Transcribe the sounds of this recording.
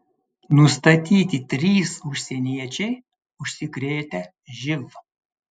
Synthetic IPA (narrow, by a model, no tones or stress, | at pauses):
nʊst̪ɐt̪ʲiːt̪ʲɪt̪ʲɾʲiːsʊʃʲsʲɛnʲiɛt͡ʃʲɛɪ | ʊʃʲsʲɪkɾʲeːt̪ʲɛ | ʒʲɪlˠɐ